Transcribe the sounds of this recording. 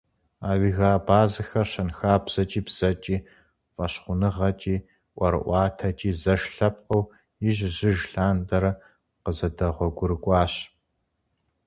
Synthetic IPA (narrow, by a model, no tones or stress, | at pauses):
aːɣɨɣaːbaːzɨxɐrɕɐnxaːbz̥ɐt͡ʃʼiːbz̥ɐt͡ʃʼiː | fʼɐɕχʷʊnɨʁɐt͡ʃʼiː | ʔʷɐɾɨ̰ʔʷɑːtʰɐt͡ʃʼiːzɐʃɬɐp̚qɐw | ɪʑʑɪʒɬaːndɐɾɐ | qəzɐdɐʁʷɔɡʷʊɾɨkʷʼɑːɕ